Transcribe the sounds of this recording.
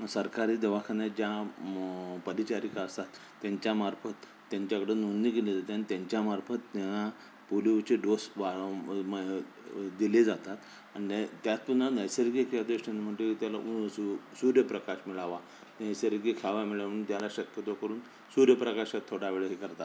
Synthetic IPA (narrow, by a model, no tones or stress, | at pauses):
səɾkaɾiːd̪əʋakʰanad͡ʑja | pəɾit͡ɕaɾikaəst̪at̪ːjaɲt͡ɕjamaɾfət̪ː | jaɲt͡ɕakəɽenunːikeled͡zat̪eanit̪jaɲt͡ɕjamaɾfət̪ːaɦa | puliwt͡ɕeɖosʋaɭm | d̪iled͡zat̪at̪ | añit̪jat͡spunːanəjsəɾkiekjad̪ʋeɕanim̤əʈet̪jalaʔuusuɾjəpɾəkaɕmiɭaʋa | nəjsəɾkikʰaʋamiɭaənt̪jalaɕəkjət̪okəɾuːn | suɾjəpɾəkaɕat̪ʰːoɽaʋeɭeɦekəɾt̪at̪